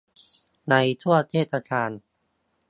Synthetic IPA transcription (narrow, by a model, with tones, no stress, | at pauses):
na˧jt̪ʰu˥˩ɐt̪ʰeː˥˩t̪̚ːa˧kʰaː˧n